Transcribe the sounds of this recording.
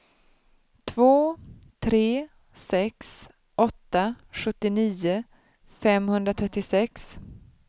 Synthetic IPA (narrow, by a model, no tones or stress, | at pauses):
t̪ʰvoːt̪ʰɾeː | sɛks | ʔɔt̪ːa | ɧɵt̪ːɪniːʊ | fɛmhɵnd̪ɾat̪ʰɾɛt̪ːɪsɛks